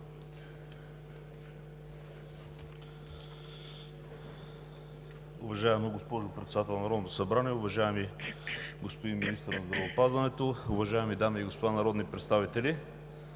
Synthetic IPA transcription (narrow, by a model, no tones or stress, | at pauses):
ʊvɐʒaɛmɡospɔʒʊpɾɛt̪sɛd̪at̪ɛlˠnɐɾɔd̪not̪o̥sɐbɾaniɛʊvɐʒaɛmi | ɡospod̪inminist̪əɾnɐzd̪ɾɐvopazvɐnɛt̪oʊvɐʒaɛmid̪amiiɡospod̪anɐɾɔd̪nipɾɛt̪st̪avit̪ɛli